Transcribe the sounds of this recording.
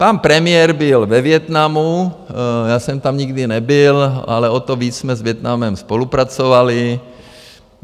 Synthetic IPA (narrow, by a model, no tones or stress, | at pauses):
panpɾɛmɪjɛɾbɪlvɛvjɛt̪namu | jaːsɛmt̪amɲɪɡdɪnɛbɪla̰lɛot̪oviːt͡ssmɛzvjɛt̪namɛmspo̞lupɾat͡sovalɪ